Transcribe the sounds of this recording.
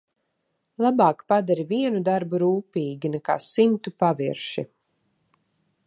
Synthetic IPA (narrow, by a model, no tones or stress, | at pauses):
lˠabaːkpad̪aɾiviɛnud̪aɾbuɾuːpiːɡʲinɛka̰ːsimt̪upaviɾʃḭ